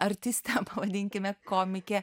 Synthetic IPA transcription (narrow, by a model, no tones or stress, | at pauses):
ɐɾʲt̪ʲɪsʲt̪ʲɛpɐʋɐd̪ʲɪŋʲkʲɪmʲɛkoːmʲɪkʲɛ